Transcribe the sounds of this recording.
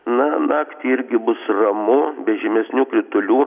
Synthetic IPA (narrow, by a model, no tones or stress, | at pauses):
nɐnɑːkt̪ʲɪɪɾʲɡʲɪbʊsrɐmʊbʲɛʒʲɪmʲɛsʲnʲuːkɾʲɪt̪ʊlʲuː